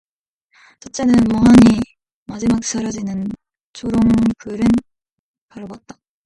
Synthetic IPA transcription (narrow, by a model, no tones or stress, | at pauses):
t͡ɕʰʌt͡ɕ͈enɯnmʌɦaɲi | mad͡ʑimak̚s͈aɾad͡ʑinɯn | t͡ɕoɾoŋnpɯɾɯn | paɾɯbʌt̚t͈ḁ